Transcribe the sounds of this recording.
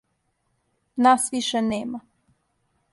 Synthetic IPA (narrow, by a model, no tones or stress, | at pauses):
naːsʋiʃɛneːma